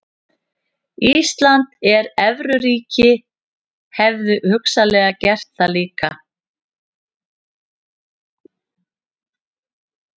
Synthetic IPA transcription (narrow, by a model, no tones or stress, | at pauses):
iːst̪lant̪ɛɾɛvɾʏɾiːcɪ | hɛvðʏhʏksalɛːɣacɛr̥t̪θaliːka̰